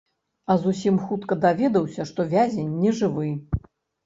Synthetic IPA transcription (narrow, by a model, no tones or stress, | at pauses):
ɐzusʲimxut̪kɐd̪avʲɛd̪ɐwsʲɐʂt̪ɔvʲazʲɛnʲːɛʐɨvɨ